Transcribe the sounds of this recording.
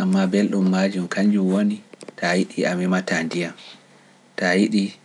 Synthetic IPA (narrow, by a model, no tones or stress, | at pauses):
ʔamːabɛlɗumːaːd͡ʒumkʰaɲd͡ʒumwonitʰajiɗiʔamimatandijam | tajiɗi